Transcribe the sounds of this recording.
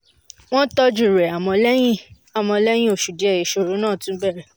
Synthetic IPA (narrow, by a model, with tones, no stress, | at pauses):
w̃ɔ̃˦tɔ˧d͡ʒu˦˨ɾɛ˨a˨mɔ̃˧lɛ˦j̃ĩ˦ | a˨m̃ɔ̃˧lɛ˦j̃ĩ˦o˦˨ʃu˨di˨˦ɛ˦˨ji˨ʃo˧ɾo˨˦nãː˦˨tũ˦bɛ˦˨ɾɛ˦˨